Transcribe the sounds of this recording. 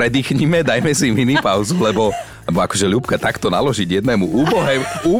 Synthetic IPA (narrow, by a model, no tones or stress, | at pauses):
ɾɛd̪iːxɲimɛd̪ajmɛsiminipaʊzulɛbɔ | lɛbɔakɔʒɛlupkat̪akt̪ɔna̰lɔʒiɟjɛd̪nɛːmuʔuːbɔɦɛːuː